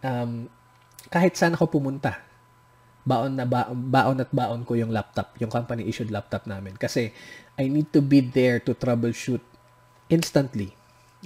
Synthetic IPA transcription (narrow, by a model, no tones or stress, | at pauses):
ʔɐm | kaːhɪt̪̚saːnɐko̞pʊmʊnt̪a | baːʔonːɐbaːʔobaːʔonɐt̪̚baːʔonkojʊŋlap̚t̪ɐp̚jʊŋkɐmpɐniʔiʃʊd̪lap̚t̪ɐp̚naːmɪnkɐsɛʔajnid̪̚t̪ʊbid̪ɛɹt̪ʊt̪ɾabɛlʃut̪̚ | ʔɪnst̪ɐnt̪li